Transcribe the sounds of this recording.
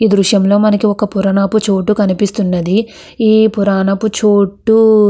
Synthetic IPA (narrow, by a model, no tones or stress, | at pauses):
iːd̪ɾuʂjɐmlo̞ːmɐnɐkiɔkɐpuɾɐnɐput͡ʃoːʈːukɐnipist̪unːɐd̪i | iːpuɾaːnɐput͡ʃoːʈːu